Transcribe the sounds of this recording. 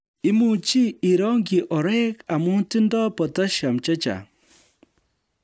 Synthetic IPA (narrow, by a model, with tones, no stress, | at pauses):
i˦mu˨t͡ʃi˦i˨ɾɔ˦ŋɡi˨ʔɔ˨ɾɛ˦ka˨mu˦ti˦ndɔ˦pɔ˨ta˦ʃa˨mt͡ʃe˦t͡ʃa̰˨